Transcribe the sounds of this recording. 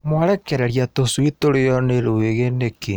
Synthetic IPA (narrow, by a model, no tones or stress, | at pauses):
mwaɾɛkɛɾɛɾjatosuitoɾejɔneɾoweɣeneke